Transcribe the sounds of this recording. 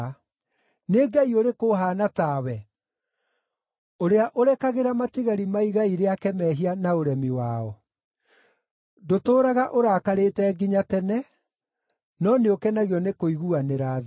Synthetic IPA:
neɡaioɾekoɦaːnataːwɛ | oɾeaʔoɾɛkaɣeɾamatiɣaɾimaiɣaiɾeakɛmɛːɦianaoɾɛmiwaːɔ | dotoːɾaɣaʔoɾakaɾetɛːɡiɲatɛnɛ | nɔneokɛnaɣiɔnekoiɣuaneɾaːð

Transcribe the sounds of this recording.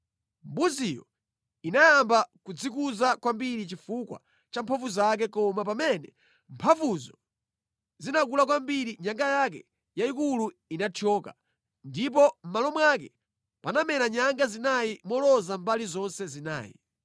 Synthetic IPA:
mbuzijɔ̰ | inajambakud͡zikuzakwambiɾit͡ʃifukwa̰ | t͡ʃampʰavuzak̬ɛkɔmap̬amɛnɛ | mpʰavuzɔ | zinak̬ulakwambiɾiɲaŋɡajak̬ɛ | jaikulu | inatʰɔːka̰ | ndip̬ɔm̩malɔmwak̬ɛ | panamɛnaɲaŋɡazinajimɔlɔzambalizɔnsɛzina̰ːjḭ

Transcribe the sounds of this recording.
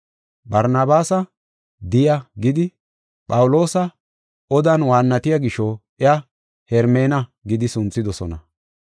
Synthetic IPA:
bɐɾnɐbaːsɐ | d̪ɪjɐɡɪd̪ɪ | pʼɐwʊlo̞ːsɐ | ɔd̪ɐnwaːnːɐt̪ɪjɐɡɪʃɔ | ɪɐ | hɛɾmeːnɐɡɪd̪ɪsʊnt͡sːɪd̪ɔsɔnɐ

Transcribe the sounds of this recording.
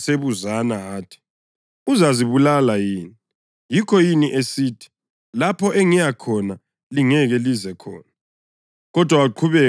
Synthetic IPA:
seβuzanaaːtʰi̥ | uzaziβulalajiːni | jikʰɔjiniʔesiːtʰi̥ | lapʰɔʔɛŋijakʰɔna | liŋɛɣɛlizɛkʰɔ̰ːna | ɣɔd̥ʱwawaǃʰuβɛ

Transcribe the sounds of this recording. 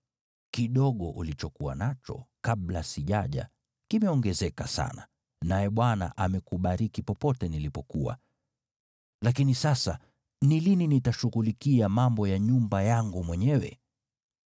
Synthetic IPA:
kiɗɔɠɔʔulit͡ʃɔkuwa̰nat͡ʃɔ̰kaɓlasiʄaʄa̰ | kimɛɔŋɡɛzɛkasa̰na̰ | najɛɓwana̰ʔamɛkuɓaɾikipɔpɔtɛnilipɔkuwa̰ | lak̬inisasa̰ | nilininitaʃuɣulikiamambɔjaɲumbajaŋɡumwɛɲɛwɛ̰

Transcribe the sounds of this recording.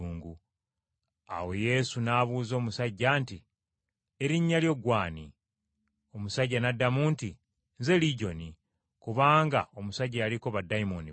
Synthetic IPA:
uːŋɡu | a̰we̞je̞sunaːβuːzo̞ːmusaɟːanti | eɾiɲːaljo̞ɡwaːni | o̞musaɟːanadːamuːnti | nze̞liɟo̞ni | kuβaːŋɡao̞musaɟajaliko̞βadaimoni

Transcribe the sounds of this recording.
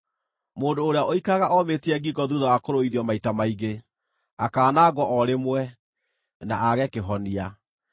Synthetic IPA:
moːndoːɾeaʔoikaɣaʔɔmeteɛɡiɡɔðuðɔakoɾoiðiɔmaitamaiɣe | akaːnaːɡɔʔɔɾemwɛ | naʔaɣɛkeɦɔnia

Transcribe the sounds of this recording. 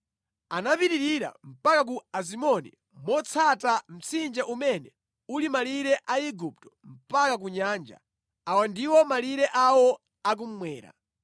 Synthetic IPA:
anapiɾiɾiɾa̰m̩pakak̬uas̬imɔnḭ | mɔt͡sʰatam̩t͡sʰind͡ʒaʔumɛnɛ | ulimaliɾɛʔaiɡup̚tɔ̥m̩pakak̬uɲaːnd͡ʒa̰ | awandiwɔmaliɾɛʔawɔ | ak̬um̩mwɛːɾa̰

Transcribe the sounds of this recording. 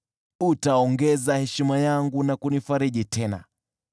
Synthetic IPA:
utaɔŋɡɛzahɛʃimajaŋɡunakunifaɾiɗitʰɛna̰

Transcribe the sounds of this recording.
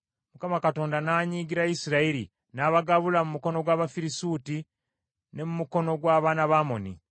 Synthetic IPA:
mukamakato̞ːndanaːɲiːɡiɾaisiɾaiɾḭ | naːβaɡaβulamumuko̞no̞ɡwaːβafiɾisuːti | ne̞mumuko̞no̞ɡwaːβaːnaβaːmo̞nḭ

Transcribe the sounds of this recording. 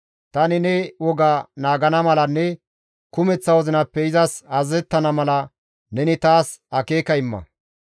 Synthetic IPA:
t̪ɐnɪnɛwɔɡanaːɡɐnɐmɐlɐnːɛ | kʊmɛt͡sːɐwɔzɪnɐpːɛɪzɐsɐzɛt̪ːɐnɐmɐlɐ | nɛnɪt̪aːsɐkeːkɐɪmːɐ̰

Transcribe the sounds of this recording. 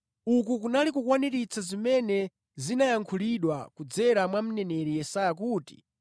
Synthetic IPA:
uk̬uk̬unalik̬ukwaniɾit͡sʰazimɛnɛ | zinajaŋkʰuliɗwakud͡zɛɾamwam̩nɛnɛɾijɛsajak̬uːti̥̰

